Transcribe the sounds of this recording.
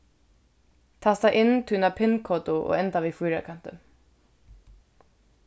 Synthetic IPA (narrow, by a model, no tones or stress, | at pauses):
t̪ʰast̪aʔɪnːt̪ʰiːnapʰɪnkʰoːt̪ʊʔɔ̰ɣɛnt̪avifujɾa̰kʰan̥t̪ʏ